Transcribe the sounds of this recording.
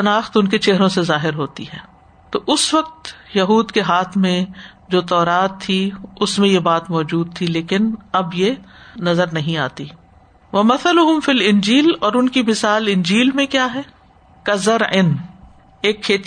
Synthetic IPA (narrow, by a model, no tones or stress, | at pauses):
t̪ɐnaːxt̪ʊnket͡ʃeɦɾõsezaːɦɪɾɦoːt̪ḭɦɛː | t̪oːʔʊsʋɐq̚t̪jɐɦuːd̪keɦaːt̪ʰmẽd͡ʒoːt̪ɔːɾaːt̪ʰːiʊsmẽjebaːt̪mɔːd͡ʒuːd̪̚t̪ʰileːkɪnɐbjenɐzəɾnɐɦĩaːt̪iː | ʋɐmɐθəlʊɦʊmfiːlɪ̃nd͡ʒiːlɔːɾʊnkimɪsaːlɪ̃nd͡ʒiːlmẽkjaːɦɛː | kɐzɐɾɪn | eːkʰːeːt̪